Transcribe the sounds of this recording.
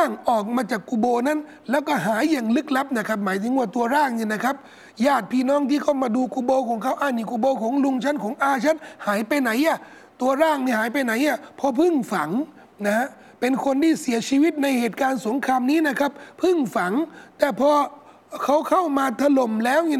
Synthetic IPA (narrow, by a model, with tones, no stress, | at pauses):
a˥˩ŋʔɔː˨˩k̚maː˧t͡ɕaː˨˩kːuː˧boː˧na˦˥˨n | lɛː˦˥˩wkɔː˥˩ɦaː˩˦jːaː˨˩ŋlɯ˦˥k̚la˦˥p̚na˧˩kʰa˦˥p̚maː˨˦jt̪ʰɯ˨˦ŋwaː˥˩t̪u˧ɐɾaː˥˩ŋni˧˩na˦˥˩kʰa˦˥p̚ | jaː˥˩t̪̚pʰiː˧˩˨nɔː˦˥˩ŋt̪ʰiː˥˩kʰa˧˥˩wmaː˧duː˧kuː˧boː˧kʰɔː˨˩˦ŋkʰa˦˥˩wʔaː˧˩niː˧˩kuː˧boː˧kʰɔː˨˦ŋlu˧ŋt͡ɕʰa˦˥˨nkʰɔː˨˦ŋʔaː˧t͡ɕʰa˦˥˨nhaː˨˩˦jpa˧jna˩˦jʔa˧˩ | t̪u˧ɐɾaː˥˩ŋniː˧˩haː˨˦jp̬a˧jna˨˩˦jʔa˧˩pʰɔ˧pʰɯ˥˩ŋfa˩˦ŋ | na˦˥ha˧˥ | pe˧nkʰo˧nt̪ʰiː˥˩si˨˩˦ɐt͡ɕʰiː˧wi˦˥t̪̚na˧jheː˨˩t̪̚kaː˧nso˩˦ŋkʰaː˧mniː˦˥˩na˦˥kʰa˦˥p̚ʰɯ˥˩ŋfa˨˩˦ŋt̪ɛː˨˩pʰɔː˧ | kʰa˦˥wkʰa˥˩wmaː˧t̪ʰa˧lo˨˩mlɛː˦˥wni˧˨